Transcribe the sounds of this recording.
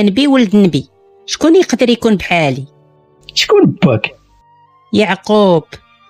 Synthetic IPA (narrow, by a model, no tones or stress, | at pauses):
nbiwəld̪nbi | ʃkunjəqd̪əɾjkunbħali | ʃkunbːæk | jəʕqub̥